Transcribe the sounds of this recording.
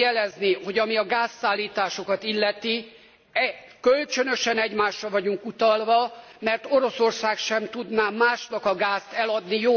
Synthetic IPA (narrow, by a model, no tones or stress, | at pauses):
jɛlɛzniho̞ɟɒmiɒɡaːsːaːlːiːt̪aːʃo̞kɒt̪ilːɛt̪i | ɛ | kølt͡ʃønø̞ʃɛnɛɟmaːʃːɒvɒɟuŋkut̪ɒlvɒ | mɛrt̪o̞ɾo̞so̞rsaːkʃɛmt̪ud̪naːmaːʃnɒkɒɡaːst̪ɛlɒd̪nijoː